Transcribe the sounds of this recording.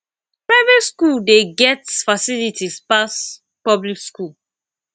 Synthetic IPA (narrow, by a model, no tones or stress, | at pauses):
pɹaɪvetskuldeɡɛtsfasilitʰispas | pɔblikskul